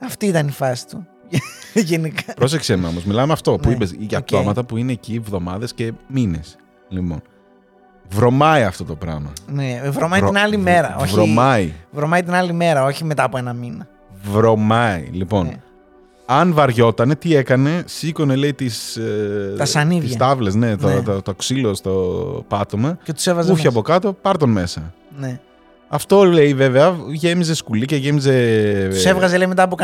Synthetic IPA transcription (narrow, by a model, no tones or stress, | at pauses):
ɐft̪iit̪ɐnifɐsi̥t̪u | ʝenikɐpɾosekseno̞mozmilɐmeɐft̪o̞uipesiʝɐp̚t̪o̞mɐt̪ɐpuine̞ːcievðo̞mɐðe̞sce̞mine̞̰s | lipo̞̰n | vɾo̞mɐiɐft̪o̞t̪o̞pɾɐ̰mɐnevɾomɐiinɐlime̞ɾɐoçvɾo̞mɐivɾomɐit̪inɐlime̞ɾɐo̞çime̞t̪ɐɐpoe̞nɐminɐ | vɾo̞mɐḭlipo̞n | ɐnvɐɾʝo̞t̪ɐne̞t̪ie̞kɐne̞siko̞ne̞le̞it̪is | t̪ɐsɐniðsɐt̪ɐvlezne̞t̪oɾɐt̪ɐt̪oksilo̞st̪opɐt̪o̞mɐcet̪u̥sevɐzuçoɐpo̞kɐt̪o̞pɐɾt̪o̞nme̞sɐ | ne | ɐft̪o̞le̞ive̞veɐʝe̞mize̞skulice̞ʝe̞mize̞ssevɣɐzeleime̞t̪ɐːp̬ok